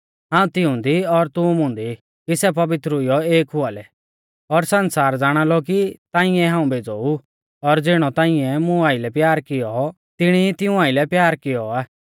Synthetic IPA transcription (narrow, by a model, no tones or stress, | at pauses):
ɦãːũt̪ɪũnd̪iɔɾt̪ũmʊ̃ːnd̪i | kisɛp̬ɐʋɪt̪ɾʊɪjɔeːkɦʊalɛ | ɔɾsɐnsaːɾd͡zaːɽ̃alɔk̬it̪ãːɪ̃ɛ̃ɦãːũbeːd͡zoːu | ɔɾd͡zɪɽ̃ɔt̪ãːɪ̃ɛmũaːɪlɛpjaːɾkɪjɔ | t̪ɪɽ̃it̪ɪũaːɪlɛpjaːɾkɪjɔaː